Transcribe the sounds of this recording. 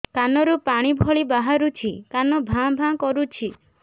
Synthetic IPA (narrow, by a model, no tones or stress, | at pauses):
kanɔɾupaɽ̃ibʱɔɭibaɦaɾut͡ʃʰikanɔbʱãbʱãkɔɾut͡ʃʰi